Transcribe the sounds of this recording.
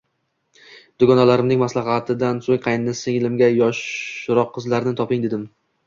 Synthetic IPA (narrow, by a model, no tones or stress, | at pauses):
d̪̥ʊɡɒnalaɾɪmnɪŋmaslaɦat̪ʰɪd̪ansoŋqʰɑjnːɪsɪŋlɪmɡʲajɒʃɾɒqʰːɨzlaɾnɪt̪ʰɒpɪŋd̪ed̪ɪm